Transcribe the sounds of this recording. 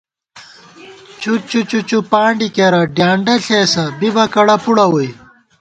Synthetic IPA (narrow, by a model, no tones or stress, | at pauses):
t͡ɕʰut͡ɕut͡ɕut͡ɕupaːɳɖikeɾɐɖjaːɳɖɐɬeːsɐbibɐkɐɽɐpuɽɐwoj